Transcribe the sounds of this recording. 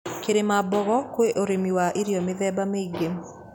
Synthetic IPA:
keɾemabɔɣɔkweʔoɾemiwaʔiɾjɔmɪðɛbameiɡem

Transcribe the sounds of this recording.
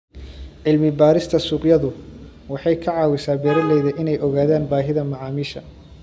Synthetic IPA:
ʕɪlmɪbaːɾɪst̪ʰɐsuːqjɐðʊ | wɑħɑjkʰɐʕɑːwɪsaːbɛːɾɐlɛjðɐʔɪnɛjɔɣaːðaːnbaːɦɪðɐmɑʕɑːmiːʃɐ

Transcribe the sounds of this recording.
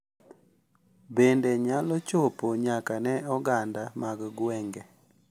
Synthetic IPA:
bendeɲalɔt͡ʃopoɲakanɛɔɡandamaɡɡwɛŋɡɛ

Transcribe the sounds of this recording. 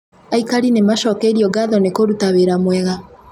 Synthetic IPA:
aikaɾinemaʃɔkɛiɾiɔɡaðɔnekoɾutaweɾamwɛɣa

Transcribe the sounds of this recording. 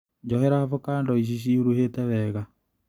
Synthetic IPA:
ɲd͡ʒɔhɛɾavokaːndɔiɕ̬iɕ̬iuɾuhetɛβɛːɣa

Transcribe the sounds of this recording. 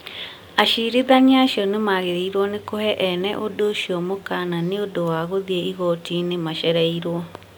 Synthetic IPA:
aʃiɾeðaɲaɕiɔnemaːɣeɾiiɾwɔnekohɛʔɛnɛʔodoʃiɔmokananeodowaɣoðiɛiɣɔtinemaʃɛɾɛiɾwɔ

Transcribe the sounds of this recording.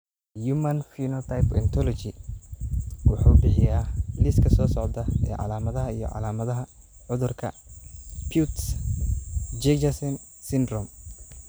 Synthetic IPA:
jumɐnfinɔt̪ʰajpɛ̰nt̪ʰɔlɔt͡ʃɪ | wɑħuːbɪħɪjaːlɪskʰɐsɔːsɔʕd̪ɐɛ̰ːʕɑ̰laːmɐðɐɦɐijɔ̰ʕɑ̰laːmɐðɐɦɐ | ʕʊðʊrkʰɐ̰ | pʰjut̪s | d͡ʒɛd͡ʒɐsɛn | sɪnd̪rɔm

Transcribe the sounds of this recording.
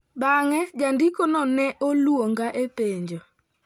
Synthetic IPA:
baŋɛd͡ʒandikonɔnɛʔolwoŋɡaʔeteɲd͡ʒo

